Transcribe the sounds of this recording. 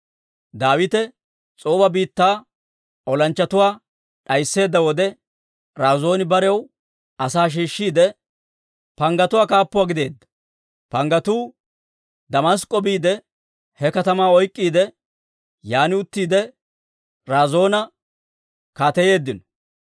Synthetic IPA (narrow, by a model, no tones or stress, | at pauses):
d̪aːwɪt̪ɛ | t͡sʼoːbɐbiːt̪ːaː | ɔlɐnt͡ʃːɐt̪ʊwaː | ɗɐjsːe̞ːd̪ːɐwɔd̪ɛ | ɾaːzo̞ːnɪbɐɾɛɛw | ɐsaːʃ̬iːʃːiːd̪ɛ | pɐŋɡɐt̪ʊwaːkaːpːʊwaːɡɪd̪e̞ːd̪ːɐ̥ | pɐŋɡɐt̪uː | d̪ɐmɐs̬kʼːɔbiːd̪ɛ | hɛkɐt̪ɐmaːɔjkʼːiːd̪ɛ | jaːnɪʊt̪ːiːd̪ɛ | ɾaːzo̞ːnɐ | kaːt̪ɛje̞ːd̪ːɪnɔ̥